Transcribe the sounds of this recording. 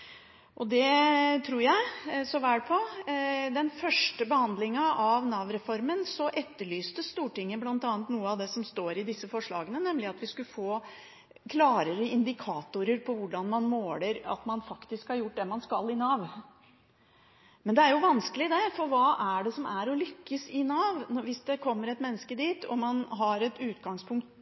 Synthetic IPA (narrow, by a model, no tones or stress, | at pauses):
ʔɔd̪ɛt̪ʰɾuːɾjæɪsɔʋæːɽpʰɔ | d̪ɛnfœʂʈəbəhɑnd̪lɪŋəʔɑʋnɑʋɾɛfɔɾmənsɔʔɛt̪ːəɭyːst̪əst̪uːʈɪŋːəblɑnt̪ɑːnt̪nuːəɑʋd̪ɛsɔmst̪oːɾɪd̪ɪsːəfɔʂɭɑ̰ːɡənənɛmlɪɑt̪ʋɪskʉfoː | kʰlɑːɾəɾəɪnd̪ɪkʰɑːt̪ʊɾəɾpʰɔʋʊɖɑnmɑnmoːləɾɑ̰t̪mɑnfɑkt̪ɪskhɑɾjʊʈ̚ːd̪ɛmɑnskɑlːɪnɑːʋ | mɛnd̪ɛæɾjʊʋɑnskəlɪd̪ɛfɔɾʋɑːʔæɖɛsɔmæɾɔlʏkːəsɪnɑːʋ̪ʋɪsd̪ɛkʰɔmːəɾɛt̪mɛnːəskəd̪iːt̪ʰɔ̰mɑnɦɑɾɛt̪ʉːt̪ɡɑŋspʰʊŋkt̪